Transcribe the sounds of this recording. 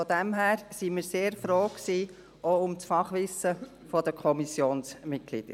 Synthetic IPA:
fɔd̪ɛmɦæːɾsimiːɾseːɾfɾoːksiː | ʔoʊmtfɑχʋɪsːə | fɔd̪əkʰɔmisjoːnsmɪt̚ɡ̥lḭd̥̪ə̰ɾ

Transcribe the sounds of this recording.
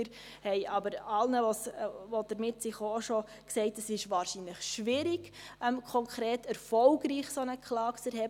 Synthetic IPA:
ɾ | hɛɪʔɑbəɾɑlnəʋɔsʋod̥əɾmɪtsɪχoʃɔ | ksɛɪtəsɪʃʋɑːɾʃinləχʃʋɪɾiɡ̥ | ɛmkʰɔŋkχɾeːtɛɾfɔlɡɾiːχsonəkʰχlɑːkt͡sɛɾhɛb

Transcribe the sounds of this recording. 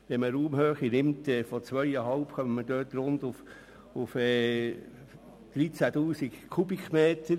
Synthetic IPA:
ʋɛməɾuːmhøːχinɪmtɛːfɔt͡sʋœjəɦɑlpχœmtmədøːtɾʊnd̪uf | ʊfɛː | d̥ɾit͡sætuːsikkʰubikʰmeːtəɾ

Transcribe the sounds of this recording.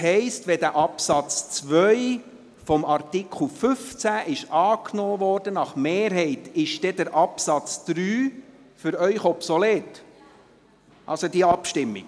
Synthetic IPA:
hɛɪstʋɛd̪æʔɑpsɑt͡st͡sʋœj | fɔmɑrt̪ikʰχl̩fʏft͡sæʔɪʃɑːknoːʋɔːrd̥ənɑχmeːɾɦɛɪtɪʃdɛd̥̪əɾʔɑpsɑt͡sd̪̥ɾyː | fʏɾœʏχɔpsɔleːt | ʔɑ̰lsod̪iəɑpʃtɪmːḭɡ

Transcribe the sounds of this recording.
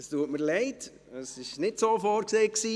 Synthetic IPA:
əstuətməɾlɛɪt | əsɪʃnɪtsoːfoːɾkseːksiː

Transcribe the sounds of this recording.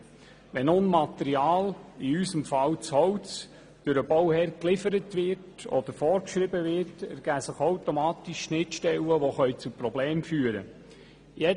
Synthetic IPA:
ʋɛnʊnmɑt̪ɛɾiɑːliysəmfɑwt͡shɔwt͡s | d̥ʊɾəbɔwhɛɾklɪfəɾətʋɪrtɔ̰d̪əɾfɔːɾkʃɾɪbəʋɪrtɛɾɡ̥æːsəχowtomɑːt̪iʃʃnɪtʃtɛlːəʋoχœʏt͡supɾɔbleːmfyːəɾə̰ | jɛ

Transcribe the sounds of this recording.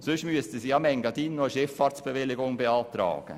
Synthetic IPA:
sʉʃmyəst̪əsiɑmɛŋɡɑt̪ɪnːɔʃɛfːɑːɾtsb̥əʋɪlːɪɡʊŋbɛɑːt̪ɾɑ̰ːɡ̥ə̰

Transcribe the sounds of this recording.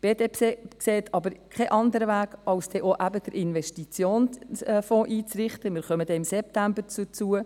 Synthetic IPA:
b̥eːd̥eːpeːkseːtʰɑbəɾkʰɛʔɑnd̪əɾəʋæːɡ̥ɑlsd̥ɛʔoʔæbəd̥əɾʔɪnʋɛʃtit͡sjoːnfɔ̃ːʔiːt͡srɪχtəmɪːɾχœmədɛːɪmsɛptæmbəɾt͡sut͡suə

